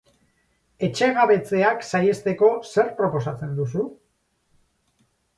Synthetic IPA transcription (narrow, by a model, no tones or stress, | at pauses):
e̞t͡ʃe̞ɣaβe̞t͡se̞aksaje̞st̪e̞ko̞se̞ɾpɾo̞po̞sat͡se̞nd̪usu